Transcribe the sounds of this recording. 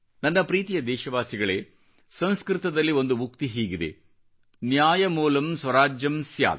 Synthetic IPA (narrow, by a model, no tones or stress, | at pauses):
nɐnːɐpɾiːt̪ijɐd̪ɛːʃɐʋaːsiɡɐɭeː | sɐ̃ñskɾɪt̪ɐd̪ɐlːio̞nd̪umukt̪iɦiːɡid̪ḛ | njaːjɐmuːlɐmsʋɐɾaːd͡ʒjɐmsja̰ːl